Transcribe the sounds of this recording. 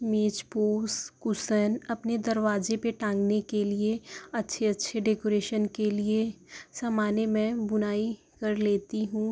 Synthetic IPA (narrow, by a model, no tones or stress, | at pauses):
meːt͡ʃpoːskʊsənɐpned̪ɐɾʋaːd͡ʒepeʈãːŋɡnekelieɐtːʃʰeɐtːʃʰeɖeːkoːɾeːʃənkeliesaːmaːnemɛ̃bʊnaːi | kɐɾleːt̪iɦũː